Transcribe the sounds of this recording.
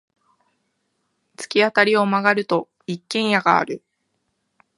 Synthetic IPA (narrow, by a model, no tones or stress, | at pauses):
t͡sɨ̥kʲiat̪aɾʲio̞maɡaɾɯ̟t̪o̞ | ikːẽɰ̃jaɡa̰ːɾɯ̟